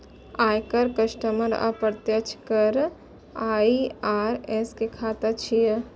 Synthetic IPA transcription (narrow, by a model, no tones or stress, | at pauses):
aːjkəɾkəʃʈəməɾa̰pəɾt̪jət͡ʃʰkəɾ | aːiaːɾɛskekʰaːt̪at͡ʃʰijə